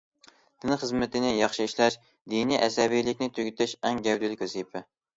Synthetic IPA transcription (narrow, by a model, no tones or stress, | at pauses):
d̪ɪnɨχəzmɪt̪ʰɪnɪjɑχʃiiʃlɛʃ | d̪iniʔɛsɛbijlɪkʲnɪt̪ʰøɡʲyt̪ʰɛʃɛŋɡʲɛwd̪ɪlɪkʲwɛsipʰɛ